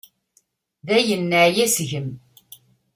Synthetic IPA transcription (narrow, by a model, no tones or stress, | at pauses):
ðæjənːəʕjæsʝəm